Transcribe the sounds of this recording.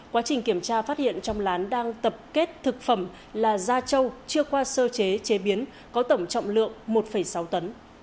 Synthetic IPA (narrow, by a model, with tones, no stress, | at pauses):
kwaː˨˦t͡ɕï˨˩ŋ̟ki˧˩əmt͡ɕaː˧faː˦˥t̚hḭ˧˨ənt͡ɕɔ˧wŋ͡mlaː˨˦nɗaː˧ŋt̪ə˨˩p̚ke˦˥t̚t̪ʰɨ˨˩k̚fə˧˩m | laː˨˩zaː˧t͡ɕə˧wt͡ɕɨ˧əkwaː˧səː˧t͡ɕe˨˦t͡ɕe˨˦ɓi˨˦ən | kɔ˨˦t̪ə˧˩wŋ͡mt͡ɕɔ̰˧˨wŋ͡mlɨ̰˧˨əŋmo˨˩t̚fə˧˩jsa˨˦wt̪ə˨˦n